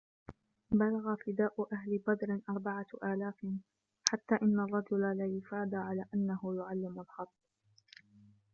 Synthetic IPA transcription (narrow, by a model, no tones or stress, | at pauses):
balaɣaft̪ɪd̪aːʔʊʔahlɪbɑd̪ˤɾɪʔɑɾˤbaʕaʔaːlaːfɪ | ħat̪ːaːʔɪnːarˤːɑd͡ʒʊlalajʊfaːd̪aʕalaːʔanːahʊjʊʕalːɪmalħɑt̪ˤː